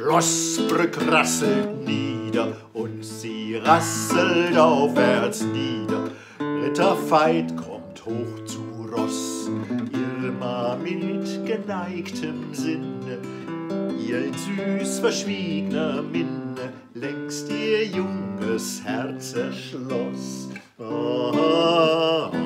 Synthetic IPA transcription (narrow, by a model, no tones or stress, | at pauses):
ʁɔsb̥ʁʏkʁasl̩tniːdɐ | ʔʊntz̥iːʁasəltaʊfvɛɐt͡sniːdɐ | bʁɛtɐfaɪtkʰɔmthoːxt͡suʁɔsʔɪʁmɐmɪtɡ̥ənaɪktʰəmzɪnə | ʔiːɐnzyːsfɛɐʃv̥iːɡənɐmɪnə | lɛŋkstiːɐjʊŋəshɛɐt͡səʃlɔs | aha